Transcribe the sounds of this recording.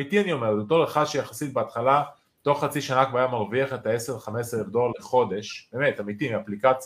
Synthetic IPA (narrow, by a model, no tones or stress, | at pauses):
it̪ianio̞me̞ʁbet̪oleχad̪ʃejaχasit̪̚beat̪χala | t̪o̞χːat͡siʃanakvaːjamaʁviaχet̪aeseʁχameseevd̪olleχo̞d̪e̞ʃb̥eme̞t̪amit̪imiaplikat͡s